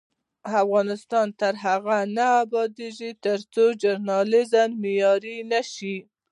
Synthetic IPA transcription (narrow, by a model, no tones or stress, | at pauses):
afɣɑnɪst̪ɑnt̪aɾɦaɣanaːbɑd̪eʒit̪əɾt͡sod͡ʒʊɾnɑlɪzammɪjɑɾinaʃi